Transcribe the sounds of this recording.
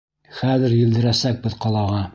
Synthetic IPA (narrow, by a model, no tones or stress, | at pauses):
χæðɘ̆ɾjɘ̆ld̪ɘ̆ɾæsæk̚bɘðqɒlˠɑʁɑ